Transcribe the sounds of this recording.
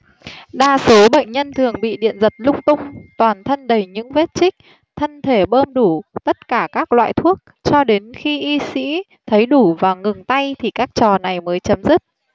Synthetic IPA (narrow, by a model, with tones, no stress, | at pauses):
ɗaː˧so˨˦ɓə̰˧˨jŋ̟ɲə˧nt̪ʰɨ˨˩əŋɓḭ˧˨ɗḭ˧˨ənzə˨˩t̚lʊ˧ŋ͡m̚t̪ʊ˧ŋ͡mt̪waː˨˩nt̪ʰə˧nɗə˨˩˦jɲɨ̰˧˥ŋve˦˥t̚t͡ɕï˦˥k̚ | t̪ʰə˧nt̪ʰe˧˩ɓəː˧mɗu˧˩t̪ə˦˥t̚kaː˧˩kaː˦˥k̚lwa̰ː˧˨jt̪ʰu˦˥ək̚ | t͡ɕɔ˧ɗe˨˦nxi˧ʔi˧sḭ˧˥ | t̪ʰə˨˦jɗu˧˩vaː˨˩ŋɨ˨˩ŋt̪a˧jt̪ʰi˨˩kaː˦˥k̚t͡ɕɔ˨˩na˨˩jməː˨˦jt͡ɕə˨˦mzɨ˦˥t̚